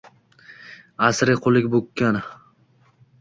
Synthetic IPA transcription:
asɾɪqʰolˠɪkʲbokʲʰːan

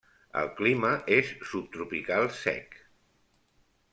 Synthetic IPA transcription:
ə̰lˠkliməʔesːup̚t̪ɾupikalˠsɛ̰k

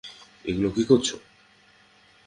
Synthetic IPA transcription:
ḛɡulokikoɾt͡ɕʰo

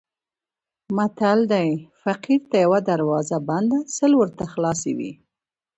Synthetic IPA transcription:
mat̪ald̪ajfaqiɾt̪ajawad̪aɾwɑzaband̪asəlwəɾt̪axlɑsḛwḭ

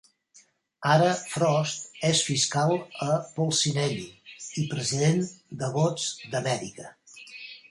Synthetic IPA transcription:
aɾəfɾɔst̪̚esfiskalˠəpolˠsinɛʎiipɾəziðend̪əβod͡zd̪əmɛɾikə

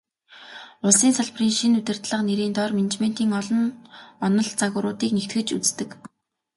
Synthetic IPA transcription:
ʊɮsiːnsaɮp̆riːŋʃinut̪ʲɪ̆r̥t̪ɮə̆qneɾiːnt̪ɔrmen̆t͡ɕmen̥t̪iːŋɔɮɞ̆nɔnɞ̆ɮt͡saɣʊːɾʊːt̪iːknekt̪ɡɘ̆t͡ɕṵt͡st̪ɘ̆k

